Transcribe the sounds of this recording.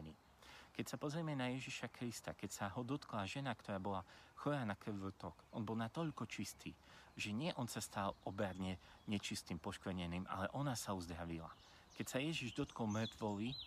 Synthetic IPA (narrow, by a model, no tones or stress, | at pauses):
ni | kɛcsapɔzɾiɛmɛnajɛʒiʃakɾist̪akɛcsaɦɔd̪ɔt̪klaʒɛnakt̪ɔɾaːbɔlaxɔɾanak̩ʋt̪ɔkʔɔnbɔlˠnat̪ɔʎkɔt͡ʃist̪ʰiːʒɛɲɪɛʔɔnsast̪alɔbɾad̪ɲɛɲɛt͡ʃist̪iːmpɔʃkɲɛniːma̰lɛʔɔnasauzd̪ɾaʋila̰ | kɛcsajɛʒiʒd̪ɔt̪kɔlˠmr̩t̪ʋɔʋi